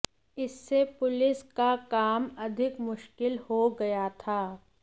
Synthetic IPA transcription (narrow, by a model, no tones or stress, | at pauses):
ɪsːepʊlɪskakaːmɐd̪ʱɪkmʊʃkɪlhoɡɐjat̪ʰaː